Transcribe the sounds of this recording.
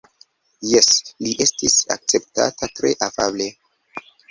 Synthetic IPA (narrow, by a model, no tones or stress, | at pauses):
jesliʔe̞stisa̰k̚t͡se̞p̚ta̰tatɾe̞̰ʔafa̰ble̞